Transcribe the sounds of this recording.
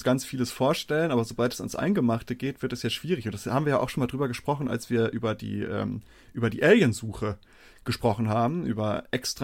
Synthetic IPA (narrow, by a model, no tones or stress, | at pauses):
sɡ̥ant͡sfiːləsfoːɐʃtɛlənʔaːbɐzobaltɛ̥sa̰nsʔa̰ɪnɡəmaχtəɡeːtv̥ɪɐtɛsjaːʃv̥iːʁɪçʊntd̥ḁshaːbm̩viɐjaʔaʊxʃonmaːldʁyːbɐɡəʃpʁ̥ɔχn̩ʔa̰lsv̥iːɐʔyːbɐdḭːʔɛ̰ːm | ʔyːbɐdiːʔɛljənzuːxə | ɡ̥əʃpʁ̥ɔχn̩ɦaːbm̩ʔy̰ːbɐʔɛkstʁ̥